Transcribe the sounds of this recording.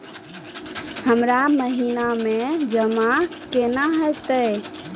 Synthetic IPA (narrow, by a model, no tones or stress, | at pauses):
həmɾaməɦinamed͡ʒəmakenaɦət̪əj